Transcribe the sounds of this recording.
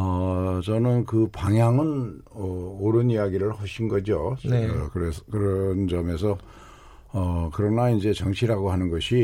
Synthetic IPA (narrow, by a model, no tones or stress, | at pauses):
ʌt͡ɕʌnɯnkɯpaŋjaŋɯnʌoɾɯnijaɡiɾɯɭhʌɕʰinɡʌd͡ʑonekɯɾeskɯɾʌnd͡ʑʌme̞sʰʌ | ʌkɯɾʌnaind͡ʑe̞t͡ɕʌŋt͡ɕʰiɾaɡoɦanɯnɡʌɕʰi